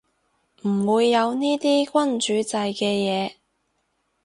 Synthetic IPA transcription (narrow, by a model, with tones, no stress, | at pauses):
m̩˨˩wuː˨˧jːɐ˨˧wniː˥t̪iː˥kʷɐ˥nt͡ʃyː˨˥t͡sɐ˧jkɛː˧jɛː˨˧